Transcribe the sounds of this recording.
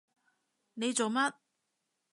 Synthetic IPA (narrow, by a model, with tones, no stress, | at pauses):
ne˨˧jt͡so˨wmɐ˥t̚